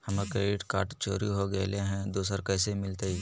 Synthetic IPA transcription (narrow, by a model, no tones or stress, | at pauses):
hɐmakɾeːɖɪʈka̰ːɾʈt͡ʃo̰ːɾiɦoɡɐleɦɛ̃d̪uːsəɾkɛːsemɪlt̪eiː